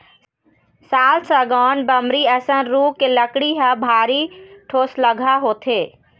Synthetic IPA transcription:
saːlsəɡɔːnbəmɾiɛːsənɾuːkeləkɽiɦəbʱaːɾiʈʰoːsləɡʱaɦoːt̪ʰeː

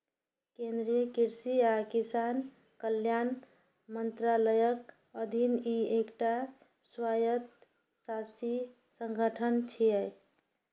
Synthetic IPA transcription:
kend̪ɾijəkiɾsiakisan | kəljan | mənt̪ɾaləjək | əd̪ʱiniekʈa | swajət̪ | sasi | səŋɡʱəʈʰənt͡ʃʰijɛj

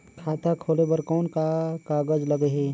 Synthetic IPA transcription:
kʰaːt̪ʰakʰoːlebəɾkɔːnkakaːɡəd͡ʒləɡəɦeː

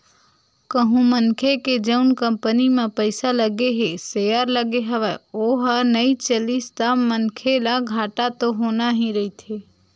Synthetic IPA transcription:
kəɦũmənkʰeked͡ʒəʊnkəmpənimãpəɪsaləɡeɦesəjaɾləɡeɦəʋaoːɦanəit͡ʃəlist̪amənkʰelaɡʱaːʈat̪oɦoːnaɦĩɾəit̪ʰe

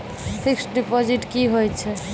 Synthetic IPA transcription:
pʰiksʈɖipɔd͡ʒiʈkiɦojt͡ʃʰɛ

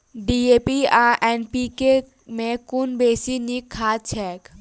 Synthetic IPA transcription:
ɖiːeːpiaːʔɛːnpike | mẽkʊnbeːsinikʰːat͡ʃʰɛːk

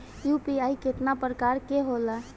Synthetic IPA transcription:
jupiaiket̪napɾəkaɾkeɦola

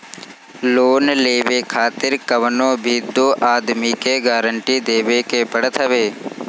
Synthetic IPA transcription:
loːnleːʋeːkʰaːt̪ɪɾkəʋnoːbʱiːd̪oːʔaːd̪miːkeɡaːɾəɳʈiːd̪eːʋeːkeːpəɽət̪ʰɦɐʋeː

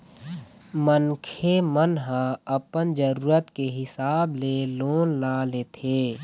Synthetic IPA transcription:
mənkʰemənɦə̃əpənd͡ʒəɾuːɾət̪keɦɪsaːbleloːnlaːleːt̪ʰeː

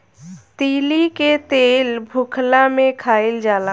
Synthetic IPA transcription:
t̪iːliket̪eːlbʱʊkʰlamẽkʰaːild͡ʒaːla

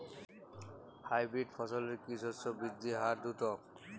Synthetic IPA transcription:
hajbɾiɖfʰɔsɔleɾkisɔsɔbid̪ʱːiɦaɾd̪ut̪ɔ

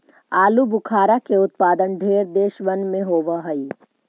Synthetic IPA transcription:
aːlubʊkʰaːɾakeʊt̪̚paːd̪ənɖʱeːɾd̪eːʃʋənmẽɦoːʋaɦɐi

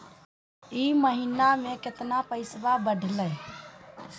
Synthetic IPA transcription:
iməɦinameket̪napəɪsbabəɖʱləj

